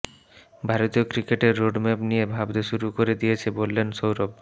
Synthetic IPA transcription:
bʱaɾot̪iokɾikeʈeɾːoɖmepnijebʱabd̪eʃuɾukoɾed̪ijet͡ɕʰebolːenʃowɾob̚

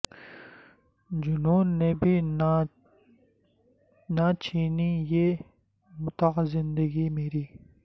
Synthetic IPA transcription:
d͡ʑʊnuːnːeːbi | nat͡ʃiːnijeː | mʊt̪aqzɪnd̪əɡimeːɾiː

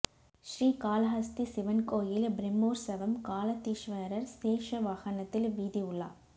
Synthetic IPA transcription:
ʃɾiːkaːlɐɦɐst̪isɪʋɐnkoːjɪlbɾɪmːoːɾsɐʋɐmkaːlɐt̪ːiʃʋɐɾɐɾseːʂɐʋaːɣɐnɐt̪ːɪlʋiːðiʊɭːa̰ː

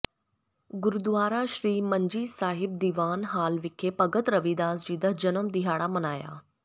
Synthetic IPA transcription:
ɡʊɾud̪ʋaːɾaʃɾiːməɲd͡ʒiːsaːɦɪb̚d̪iʋaːnɦaːlʋɪkʰːepɐɡət̪ɾɐʋid̪aːsd͡ʑiːd̪əɦd͡ʒənəmd̪iɦaːɽamɐnaːja̰ː

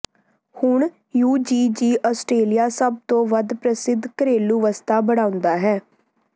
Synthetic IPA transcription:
hʊɳ | juːd͡ʒiːd͡ʒiːʔɔːsʈɾeːlijaːsəb̚t̪õːʋəd̪pɾəsɪd̪ʱkəɾeːluːʋəst̪aːbəɽ̃ãːʊ̃nd̪aːɦɛː

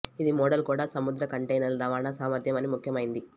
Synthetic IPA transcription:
id̪imɔːɽɐlkuːɽaːsɐmud̪ɾɐkɐɳʈejnɐlɾɐʋaːnasaːmɐɾd̪jɐmɐnimukʰjɐmɐjind̪i

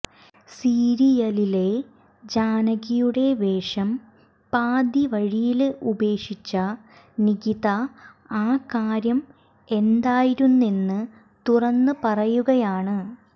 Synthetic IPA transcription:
siːɾijɐlile̞ | d͡ʑaːnɐɣijuɽe̞ʋe̞ːʂɐm | paːd̪iʋɐɻijilube̞ːʂit͡ɕːɐ | niɣiðɐ | aːkaːɾjɐm | e̞nd̪aːjiɾunːenːɨ | t̪urɐnːɨpɐrɐjuɣɐjaːɳɨ

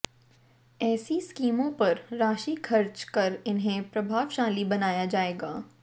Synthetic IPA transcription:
ɛːsiskiːmõpɐɾːaːʃikʰɐɾt͡ʃkɐɾɪnɦẽpɾɐbʱaːʋʃaːlibɐnaːjad͡ʒaːeːɡaː

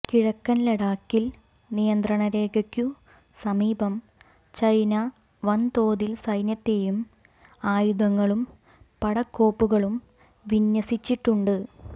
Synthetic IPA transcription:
kiɻɐkːɐnleɽaːkːil | nijɐnd̪rɐɳɐɾe̞ːɡɐkʲːu | sɐmiːbɐm | t͡ɕɐjnɐ | ʋɐnt̪o̞ːðilsɐjnjɐt̪ːe̞jum | aːjuðɐŋːɐɭum | pɐɽɐkːo̞ːpːuɣɐɭum | ʋinjɐsit͡ɕːiʈːuɳɖɨ

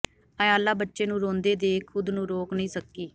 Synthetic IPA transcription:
əaːlːaːbətːʃeːnũːɾõːnd̪eːd̪eːkʰːʊd̪nũːɾoːknəĩːsəkːiː

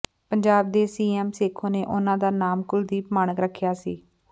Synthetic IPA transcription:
pəɲd͡ʒaːb̚d̪eːsiːɛːmseːkʰoːneːʔʊnãːd̪aːnaːmkʊld̪iːpmaːnəkɾəkʰːjaːsḭː

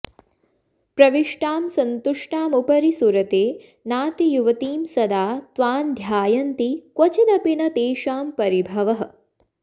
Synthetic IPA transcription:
pɾɐʋiʂʈaːmsɐnt̪uʂʈaːmupɐɾisuɾɐt̪eː | naːt̪ijuʋɐt̪iːmsɐd̪aːt̪ʋaːnd̪ʱjaːjɐnt̪ikwɐt͡ʃid̪ɐpinɐt̪eːʃaːmpɐɾibʱɐʋɐɦə̆

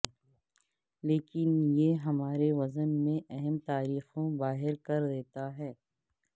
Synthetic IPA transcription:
leːkɪnjeːɦɐmaːɾeʋɐzənmẽʔɛɦɛmt̪aːɾiːxõbaːɦɪɾkɐɾd̪eːt̪aɦɛː

